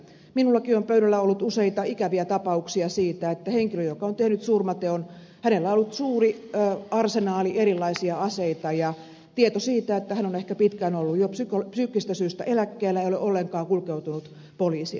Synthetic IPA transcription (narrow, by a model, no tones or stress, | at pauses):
minulːɑkiompøyɾælːæolːut̪useit̪ɑikæʋiæt̪ɑpɑuksiɑsiːt̪æet̪ːæheŋkiløjokɑont̪ehnyt̪surmɑt̪eon | hænelːæolːut̪suːriːɑrsenɑːliʔeɾilːɑisiɑɑseit̪ɑjɑ | t̪iet̪osiːt̪æet̪ːæhænonehkæpit̪kænolːujjopsykopsyːkːist̪æsyːst̪æ̰ʔelækːeːlːæeioleʔolːeŋkɑːkulkeut̪unut̪ | poliːsḭ